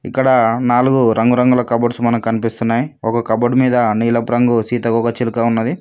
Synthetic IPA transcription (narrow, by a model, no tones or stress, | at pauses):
ḭkːɐɽɐnaːluɡuɾɐŋɡuɾɐŋɡulɐkɐbɐɖsumɐnɐmkɐnipist̪unːaːjiɔkɐkɐbɐɖmiːd̪ɐniːlɐpɾɐŋɡusiːt̪ɐɡɔːkɐt͡ʃilukaːunːɐd̪i